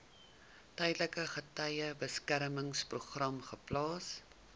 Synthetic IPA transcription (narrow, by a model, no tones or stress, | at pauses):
tɛjdləkəχətɐjəbəskæɾməŋspruχrɐmχəplɑːs